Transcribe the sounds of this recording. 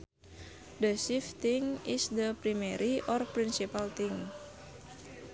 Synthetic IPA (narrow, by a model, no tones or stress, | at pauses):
d̪əsift̪ɪŋɪsd̪əpɾimeɾʔiʔɔrpɾinsipalt̪ɪŋ